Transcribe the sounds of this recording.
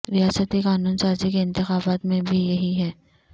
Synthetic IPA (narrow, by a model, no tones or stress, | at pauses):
ɾijaːsət̪ikaːnuːnsaːɾd͡ʒikeɪ̃nt̪ɪxaːbaːt̪mẽbʱijɐɦiɦɛː